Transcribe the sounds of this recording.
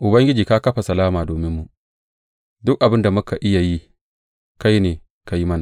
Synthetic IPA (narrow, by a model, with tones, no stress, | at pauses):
ʔʊ˨bɐ˦ŋɡʲɪ˦d͡ʒiː˨ka˦kɐ˦ɸa˨sɐ˨laː˦maː˨doː˨mɪ˦mːu˦ | dʊ˦k̚ʔa˨bɪ˦nda˨mʊ˦ka˨ʔɪ˦ja˨ji˦ | ka˦jneː˨ | ka˦ji˦mɐ˦na˨